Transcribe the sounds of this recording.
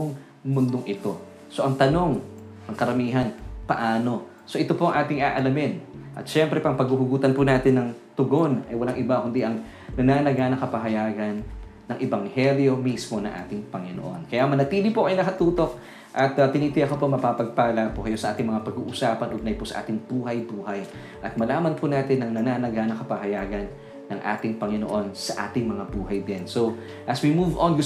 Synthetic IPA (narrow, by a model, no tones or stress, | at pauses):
oŋ | mʊnd̪oŋʔɪt̪o̞ | so̞ʔɐŋt̪ɐno̞ŋ | ʔɐŋkɐɾɐmiːɦɐnpɐʔaːno̞ | so̞ʔɪt̪o̞po̞ʔɐŋʔaːt̪ɪŋʔaːʔɐlɐmɪnʔɐ̰t̪ʃɛmpɾɛpɐŋpɐɡuhʊɡuːt̪ɐnpʊnaːt̪ɪnːɐŋt̪ʊɡo̞nɐ̰jwɐlaŋʔɪbakʊnd̪iʔɐŋ | nɐnaːlɐɡanɐŋkɐpɐɦɐjaːɡɐnː | ɐŋʔɪbɐŋhɛljo̞mismo̞nɐ̰ŋʔa̰ːt̪ɪŋpɐŋɪno̰ʔo̞nkɐjaːmɐnɐt̪iːlipokɐjonɐkɐt̪uːt̪o̞k̚ | ʔɐt̪ːɐt̪ɪniːt̪ɪɐko̞pomɐpapɐɡ̚paːlapokɐjo̞sɐʔaːt̪ɪŋmɐŋapɐɡṵːʔʊsaːpɐnʔoɡ̚nɐjposɐʔa̰ːt̪ɪŋbuːɦɐjbuːhɐj | ʔɐt̪̚mɐlaːmɐnponaːt̪ɪnɐŋnɐnaːnɐɡanɐŋkɐpɐɦɐjaːɡɐnː | ɐŋʔa̰ːt̪ɪŋpɐŋɪno̰ʔo̞nsɐʔa̰ːt̪ɪŋmɐŋabuːɦɐjd̪ɪnso̞w | ʔɐswimuvonɡʊ